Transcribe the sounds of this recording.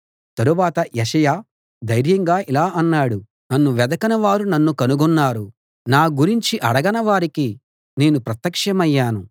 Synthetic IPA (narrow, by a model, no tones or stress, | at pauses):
t̪ɐɾuʋaːt̪ɐjɛʂɐjaː | d̪ɐjɾjɐŋɡaːʔilaːʔɐnːaːɽu | nɐnːuʋɛd̪ɐkɐnɐʋaːɾunɐnːukɐnuɡɔnːaːɾu | naːɡuɾiɲt͡ʃiʔɐɽɐɡɐnɐʋaːɾiki | ne̞ːnupɾɐt̪jɐkʂɐmɐjːaːnu